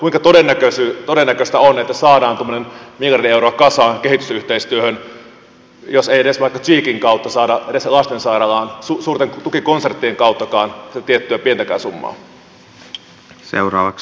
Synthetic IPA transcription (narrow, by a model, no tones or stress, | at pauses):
kuiŋkɑt̪odenːækøsyːt̪odenːækøst̪æonet̪ːæsɑːdɑːnt̪omːonenmiljɑrdieuɾoɑkɑsɑːŋke̞ɦit̪ysyht̪eist̪yøhøn | josejeɾesʋɑikːɑt͡ʃiːkiŋkɑwt̪ːɑsɑːdɑʔedeslɑst̪ensɑiɾɑlɑːnsusuːrt̪eŋt̪ukiko̞nsert̪ːieŋkɑuwt̪ːɑkɑːnsit̪æt̪iet̪ːyæpiet̪ækæ̰ːsumːɑ̰ː | sḛurɑ̰ːʋɑks